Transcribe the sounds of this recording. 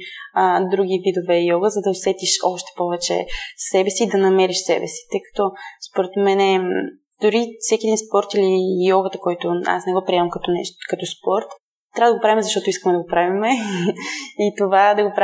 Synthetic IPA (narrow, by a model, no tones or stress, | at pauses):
əd̪ɾuɡ̟ʲivid̪ovɛjɔɡəzɐd̪ɐosɛt̪iʃɔʃt̪ɛ̥pɔvɛt͡ʃɛ̰ssɛbɛsiːd̪ɐnɐmɛɾiʃsɛ̰bɛ̰si̥t̪ɤjkɐ̥t̪ɔspoɾɛt̪mɛnɛ | d̪ʊɾifsɛkʲiɛd̪inspɔɾt̪ilijɔɡət̪əkɔjt̪ʊa̰snɛɡɔpɾiɛmɐmkɐt̪ɔnɛkɐt̪ɔspɔɾt̪ | t̪ːɾavəd̪əɡopɾavimɛzɐʃt̪ɔt̪ʊiskəmɛd̪ɐɡopɾavimɛ | it̪ovad̪ɐɡopɾa